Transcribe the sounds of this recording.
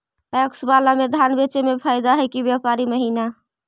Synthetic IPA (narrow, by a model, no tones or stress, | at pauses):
aksbalamed̪ʱanbet͡ʃemepʰajd̪aɦəjkibjapaɾiməɦina